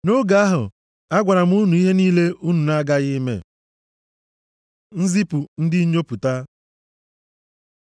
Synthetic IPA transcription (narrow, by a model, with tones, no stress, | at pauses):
no˦ɡa˨a˦ɦʊ̰˨ | a˦ɡʷa˨ɾa˨m˦u˦nu˨i˦ɦe˦niː˦le˦ʔu˦nu˨na˦ɡa˦ɣɪ˦mḛ˨ | n̩˦zi˦pu˨n̩˦dɪ˦ɲo˦pu˨ta˦